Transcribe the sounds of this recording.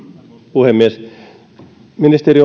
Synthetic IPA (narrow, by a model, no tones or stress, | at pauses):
puhemːies | minist̪eri